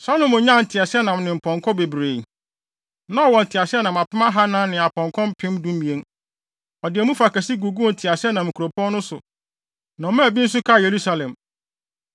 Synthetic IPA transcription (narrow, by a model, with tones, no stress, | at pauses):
sa˦lõ˨˦mʊ̃˨ɲã˦˨n̩˨tʰɪ˨a˨sɪ˦ɛ˦nã˨m˨nɪ̃˨m̩˨pʰɔ̃˨ŋkʰɔ̃˦be˨bɾe˨ | nã˦ɔ˨wɔ̃˨n̩˨tʰɪ˨a˨sɪ˦ɛ˦nã˨ma˨pɪ˦ma˦ɦa˦nã˦nɪ̃˨a˨pʰɔ̃˨ŋkʰɔ̃˦m̩˦pʰɪ̃˦m˦dũ˦m˦mĩ˨ẽ˨˦n | ɔ˨dɪ˨æ˨mũ˦fa˨kæ˨si˦ɡu˨ɡu˦˨n̩˨tʰɪ˨a˨sɪ˦ɛ˦nã˨mɪ̃˨ku˨ɾo˨pʰɔ̃˦nnʊ̃˦sʊ˨ | nã˨ɔ˨mɛ̃˦˨bi˦n̩˦s̬ʊ˦kʰa˦˨je˨ɾu˦sa˨lɛ̃˨m